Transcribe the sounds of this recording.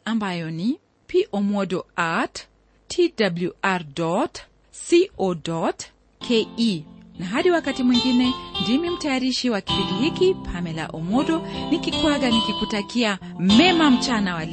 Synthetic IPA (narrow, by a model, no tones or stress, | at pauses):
ambajɔni | piʔɔmɔɗɔat | tʰidabluaɾdɔt | siʔɔdɔt | kʰeinaɦaɗiwakatimwiŋɡinɛndimim̩tajaɾiʃiwaki̥piɗiɦikipʰamɛla̰ʔɔmɔɗɔnikikwaɡanikikutakia | mɛmam̩t͡ʃanawal